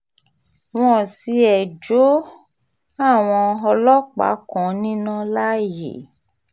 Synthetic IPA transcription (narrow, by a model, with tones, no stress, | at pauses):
w̃ɔ̃˦˨si˧˦ɛ˨d͡ʒo˨˦ | a˦˨w̃ɔ̃˧ɔ˧lɔ˦k͡pa̰˨˦kɔ̃˨nĩ˦nã˦la˦jḛ˨